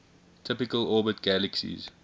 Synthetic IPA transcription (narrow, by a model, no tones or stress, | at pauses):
tʰɪpɪkəlɔːbətɡ̥æləksḭz̥